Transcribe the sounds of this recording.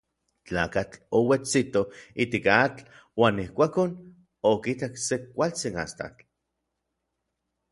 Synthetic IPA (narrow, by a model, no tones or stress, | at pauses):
t͡ɬaːkat͡ɬowet͡sit̪oit̪ikat͡ɬ | waːnihkʷaːkon | okit̪aksekːʷalt͡sina̰st̪a̰t͡ɬ